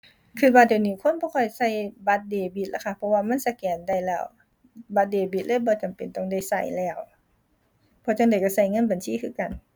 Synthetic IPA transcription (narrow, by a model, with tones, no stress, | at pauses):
kʰɯː˧˨ba˧˩t̚di˨wniː˧˩kʰo˧˥˨nbɔː˧kʰɔ˧˩jsa˧˩˨jba˧˦t̪̚deː˨˩bi˧t̪̚la˧˥˩kʰa˧˩pʰɔ˧waː˧ma˧˥˨nsa˧kɛː˨˩nda˧˩jlɛː˧˩w | ba˧t̪̚deː˨˩bi˧˩lɤː˧˥˨jbɔː˧t͡ɕa˨˩mpe˨nt̪ɔ˧˨ŋda˧˩˨jsa˧˩jlɛː˧˩w | pʰɔː˧˩t͡ɕa˧˩ŋda˨˩jka˧˩sa˧˩jŋɤ˧˥˨nba˨nsiː˧˥˨kʰɯː˧˨ka˨˩n